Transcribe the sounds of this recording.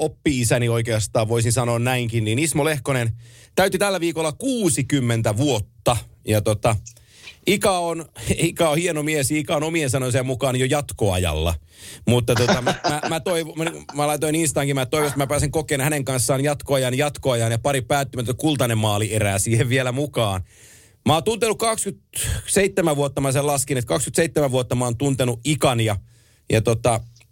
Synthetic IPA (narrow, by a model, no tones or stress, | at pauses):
opːiisænioikeɑst̪ɑːʋʋoisinsɑnoːnnæiŋkinniːnismolehkonen | t̪æyt̪yt̪ælːæʋiːkolːɑkuːsikymːent̪æʋuot̪ːɑjɑt̪ot̪ɑ | ikɑonikɑohienomiesjɑikɑonomiensɑnojsɑmukɑːnjojɑt̪koɑ̰jɑ̰lːɑ̰ | mut̪ːɑt̪ot̪ɑmæmæmæt̪oiʋomælɑit̪oininst̪ɑːŋkimæt̪oiʋost̪mæpæːsiŋkokeːnhæneŋkɑnsːɑːnjɑt̪koɑjɑnjɑt̪koɑjɑːnjɑpɑɾippæːt̪ːimæt̪ːætkult̪ɑnemmɑːlieræːsiːheʋʋielæmukɑːn | mɑont̪unt̪enukkɑkskyt̪seit̪ːemæʋʋuot̪ːɑmɑselɑskinet̪kɑkskyt̪seit̪ːemæuot̪ːɑmɑoːnt̪unt̪enuʔikɑnjɑ | jɑt̪ot̪ɑ